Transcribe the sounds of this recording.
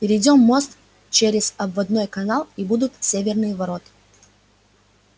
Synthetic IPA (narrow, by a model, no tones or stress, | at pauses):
pʲɪɾʲɪjdʲo̞mːo̞st̪ | t͡ɕeɾʲɪzɐbvɐd̪no̞jkɐnɑlˠibud̪ʊt̪sʲevʲɪrnɨjəvɐɾo̞t̪ɨ̥